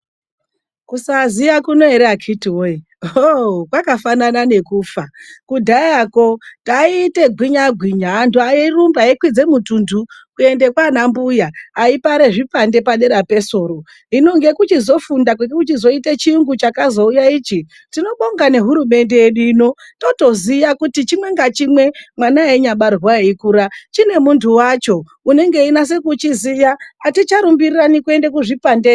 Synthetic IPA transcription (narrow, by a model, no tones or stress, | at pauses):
kusazijakuno̞eɾakʰitiwoi | okwakafananane̞kuːfakudʱajako̞taiːte̞ɡʱwiɲaɡʱwiɲaːntuajirumbaekwid͡ze̞mutundukue̞nde̞kwanambujaːipaɾe̞ʐipande̞paɗe̞ɾape̞so̞ːɾo̞ | ɦino̞ŋɡe̞kut͡ʃizo̞fundakwuɡekut͡ʃizo̞itat͡ʃiuŋɡut͡ʃakazo̞ujaiːt͡ʃi | tino̞ɓo̞ŋɡane̞ɦuɾume̞nde̞jeɗuino̞to̞to̞zijakutit͡ʃimwe̞ŋɡat͡ʃimwe̞mwanaeɲaɓarɣwaeikuɾat͡ʃine̞muntʰuwat͡ʃo̞ | une̞ŋɡe̞inas̬e̞kut͡ʃizijaatit͡ʃaɾumbiriranikue̞ndek̬uʐipande